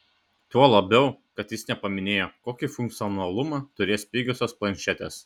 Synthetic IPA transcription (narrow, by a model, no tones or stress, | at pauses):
t̪uɔlˠɐbʲɛʊkɐt̪jɪsnʲɛpɐmʲɪnʲeːjoːkoːkʲifʊŋʲk̚t̪sʲɪɔnɐlˠʊmɑt̪ʊɾʲeːspʲiːɡʲʊsʲosplˠɐnʲʃʲɛt̪ʲɛ̰s